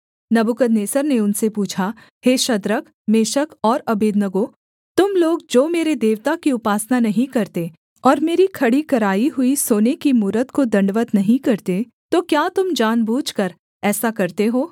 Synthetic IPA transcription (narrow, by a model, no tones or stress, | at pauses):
nɐbʊkəd̪neːsəɾneʊnsepuːt͡ʃʰa | heːʃɐd̪ɾək | meːʃəkɔːɾɐbeːd̪nəɡo | t̪ʊmloːɡ̚d͡ʒoːmeːɾed̪eːʋt̪akiʊpaːsnanɐɦĩkɐɾt̪e | ɔːɾmeːɾikʰɐɽikɐɾaːiɦʊisoːnekimuːɾət̪kod̪ɐ̃ɳɖʋət̪nɐɦĩkɐɾt̪e | t̪okjaːt̪ʊmd͡ʒaːnbʱuːd͡ʒkəɾ | ɛːsakɐɾt̪eɦoː